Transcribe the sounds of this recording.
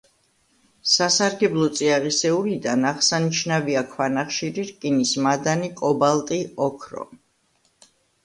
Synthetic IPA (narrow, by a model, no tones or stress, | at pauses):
sasaɾɡɛblˠɔt̪sʼiaʁisɛuɾid̪anaʁsaniʃnaviakʰwanaχʃiɾiɾkʼinismad̪anikʼɔbalˠt̪ʼiɔkʰɾɔ̰